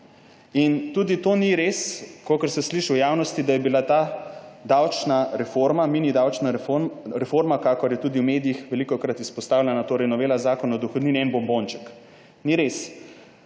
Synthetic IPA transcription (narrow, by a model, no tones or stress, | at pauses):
int̪ud̪it̪oniɾeskoːkəɾsɛsliʃiwjaːwnɔst̪id̪ajɛbilat̪ad̪awt͡ʃnaɾɛfoɾmamiːnid̪awt͡ʃnaɾɛfoɾmakakɔɾjɛt̪uːd̪iwmeːd̪ijixʋɛlikɔkɾat̪ispɔst̪aːwlʲɛnat̪oːɾɛjnɔʋeːlazaːkɔnɔd̪ɔxɔd̪niːniɛnbɔmbont͡ʃɛ̥k | niɾes